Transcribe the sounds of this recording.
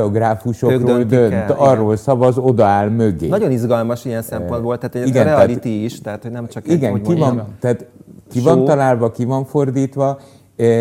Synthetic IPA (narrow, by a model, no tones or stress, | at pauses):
oɡraːfuʃoøkrːld̪ønt̪ɒrːoːlsɒvɒzo̞d̪ɒaːlmøɡḛːnɒɟonizɡɒlmɒʃiɛnsɛmpond̪bolt̪aːt̪ɛiɡɛnɾɛɛːlit̪iiʃt̪ɛɦat̪hoɟnɛmt͡ʃɒkiɡɛkivɒnt̪aːt̪kivɒnt̪ɒlaːlvɒkivɒɱfo̞rd̪iːt̪ʋɒ